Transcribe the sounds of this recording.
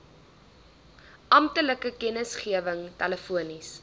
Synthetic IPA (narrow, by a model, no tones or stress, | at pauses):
ʔɐmtələkəkɛnəsχiəvəŋtɛləfuənis